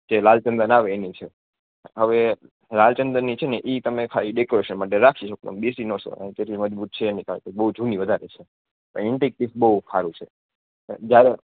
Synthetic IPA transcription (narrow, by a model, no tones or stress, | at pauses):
d͡ʒelalt͡ʃə̃nd̪ənaʋeːnit͡ʃʰe | ɦəʋe | lalt͡ʃənd̪ənːit͡ʃʰeneʔit̪əmekʰaliɖekoɾeʃənmaʈ̬eɾakʰiʃok̚t̪ə̰mbesinɔso̰ə̰nt̪eɾʰiməd͡ʒbut̪̚t͡ʃʰeːnikat̪ebəɦud͡ʒʱuniʋəd̪ʱaɾet͡ʃʰe | pə̰ɳɪɳʈek̚ʈifbəɦukʰaɾũt͡ʃʰḛ | d͡ʒjaɾe